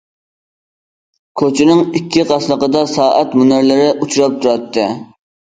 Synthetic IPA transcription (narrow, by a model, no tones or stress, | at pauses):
kʲʰøt͡ʃʰɪnɪŋikʲːiqɑslˠəqəd̪ɑsɑːʔæt̪munɪɾlɪɾɪʔut͡ʃʰuɾɑp̚t̪ʰuɾɑt̪ːɨ